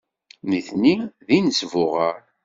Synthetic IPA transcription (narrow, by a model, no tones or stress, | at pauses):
niθniðinəsvʊʁəɾ